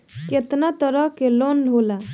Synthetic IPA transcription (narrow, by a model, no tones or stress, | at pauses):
ket̪nat̪əɾʌɦkelonlʱɦola